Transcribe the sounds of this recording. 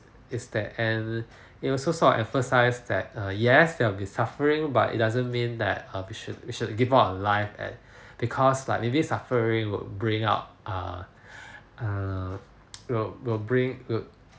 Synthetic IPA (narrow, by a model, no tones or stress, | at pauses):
ɪsdɛtɛ̃n | it̚wisosɔʔɛ̃ɱfəsaɪsdɛ̰t̚ʌjɛsdɛwbĩsafəɹɪ̃ŋba̰tḭt̚dazə̃nmĩndɛ̰t̚ʌwiʃʊt̚wiʃud̚ɡivaɔ̃nlaɪfɛ̰̃t̚ | b̥ikʰɔsla̰ɪk̚mebisafəɹɪ̃ŋwɪ̰lbɹĩŋa̰ʊt̚ʔʌ̰ | ʌ | wilwilbɹĩŋwi